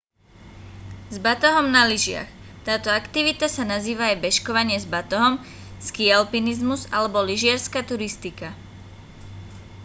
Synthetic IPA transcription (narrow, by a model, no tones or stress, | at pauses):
zbat̪ɔɦɔmnaliʒɪa̰xt̪aːt̪ɔakt̪iʋit̪asanaziːʋaːjbɛʃkɔʋaɲɪɛzbat̪ɔɦɔm | skialpinizmuzalɛbɔliʒɪaɾskat̪uɾist̪ika